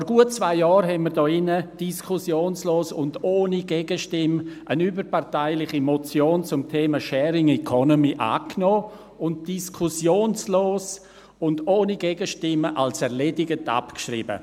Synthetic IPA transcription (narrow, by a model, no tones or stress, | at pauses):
fɔɾɡuət̚t͡svaɪjɑːɾɦɛnməɾdɔːɪnəd̥iskʰʊsjoːnsloːsʊndoːniɡɛɡ̥əʃtɪmʔənyːbəɾpʰaɾtaɪlɪχimɔt͡sjoːnt͡sʊmtʰeːməʃɛːɾɪŋɛkʰɔnomiʔa̰ːknɔː | ʊnt̚d̥iskʰʊsjoːnsloːs | ʊndoːniɡɛɡ̥əʃtɪməʔalsɛɾledɪɡəta̰pkʃrḭbə̰